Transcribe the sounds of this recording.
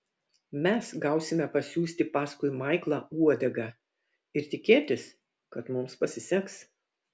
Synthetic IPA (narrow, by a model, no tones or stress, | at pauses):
mʲɛsɡɐʊsʲɪmʲɛpɐsʲuːsʲt̪ʲɪpɑːskʊɪmɐɪklˠɑːuɔd̪ʲɛɡɑ | ɪɾt̪ʲɪkʲeːt̪ʲɪs | kɐt̪mʊmspɐsʲɪsʲɛks